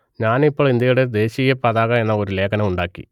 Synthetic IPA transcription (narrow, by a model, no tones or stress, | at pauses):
ɲaːnipːoːɭind̪jɐjuɽe̞d̪e̞ːɕijɐpɐðaːɣɐe̞nːɐo̞ɾule̞ːkɐnɐmuɳɖaːkːḭ